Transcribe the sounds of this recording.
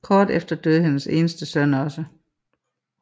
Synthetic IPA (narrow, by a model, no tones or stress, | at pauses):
kʰɒːd̥efd̥ɐd̥øðˠhenəse̝ːnəsd̥əsœnɒ̽sə